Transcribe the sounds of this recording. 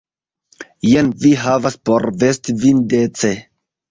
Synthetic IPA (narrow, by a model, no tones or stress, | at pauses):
jenviɦavaspoɾvestivindet͡se